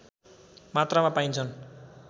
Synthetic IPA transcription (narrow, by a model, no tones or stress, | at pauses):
mat̪ramapaint͡sʰʌn